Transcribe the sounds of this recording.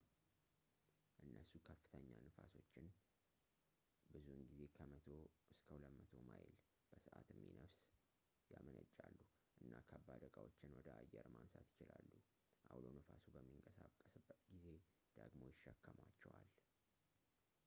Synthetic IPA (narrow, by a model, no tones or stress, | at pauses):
ʔɨnːʔəsukʰəfːɨ̥t̪ʰəɲːanɨfaso̞t͡ʃːɪn | bɨzuɨnɡize̞kʰəmət̪ʰo̞ɨskʰəwləmət̪ʰo̞majɪl | b̥əsɨʔat̪ɨmːinəfs | jamənət͡ʃʼːalːu | ʔɨnːakʰəbad̪əkʼawot͡ʃːɪnwɔd̪əʔajːɛɾmansat̪jɪt͡ʃɪlalːu | ʔawlo̞nɨfasubəmːiŋkʼəsakʼːəsɨbːət̪ɡize̞ | d̪̥əɡmo̞jɪʃːəkːəmat͡ʃːɛwal